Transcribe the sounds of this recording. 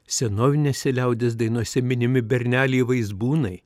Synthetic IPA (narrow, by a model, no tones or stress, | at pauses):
sʲɛnoːʋʲɪnʲesʲɛlʲɛʊd̪ʲesd̪ɐɪnuɔsʲɛmʲɪnʲɪmʲɪbʲɛɾʲnʲæːlʲɛːʋɐɪzbuːnɐɪ